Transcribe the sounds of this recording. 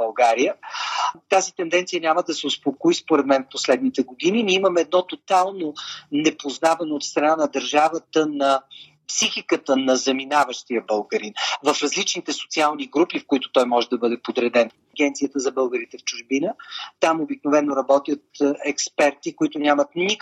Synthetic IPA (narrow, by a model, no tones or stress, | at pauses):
bɐlˠɡaɾijə | t̪azit̪ɛnd̪ɛnt̪sijənʲaməd̪ɐsɛʊspokoispoɾɛd̪mɛnfposlɛd̪̚nit̪ɛɡod̪ininʲiiməmɛɛd̪̚nɔt̪ot̪alˠnonɛpoznavɐnoːt̪st̪ɾɐnanɐd̪ɐɾʒavət̪ənɐ | psixikət̪ənɐzɐminavəʃt̪ijəbəlˠɡəɾinvɐfɾɐzlit͡ʃnit̪ɛso̥t̪sialˠniɡɾupifkʊit̪ʊ̥t̪ɔjmɔʒɛd̪ɐbɤd̪ɛpod̪ɾɛd̪ɛn | ɐɡʲɛnt̪sijət̪əzɐbɤlˠɡəɾit̪ɛft͡ʃʊʒbinət̪amobiknovɛnːoɾɐbɔt̪jət̪ɛkspɛɾt̪ikoit̪ʊnʲamət̪nik